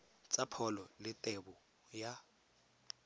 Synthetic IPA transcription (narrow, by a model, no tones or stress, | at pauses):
t͡sʼapʰɔlɔlɪtʼɛbʊ | ja